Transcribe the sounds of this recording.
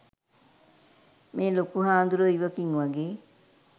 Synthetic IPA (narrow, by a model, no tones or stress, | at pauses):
meːlokuɦaːnd̪uɾoiʋɐkiŋʋɐɡeː